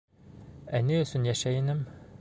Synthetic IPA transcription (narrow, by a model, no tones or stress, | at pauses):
æniɵ̆sɵnjæʃæjɘ̆nɘm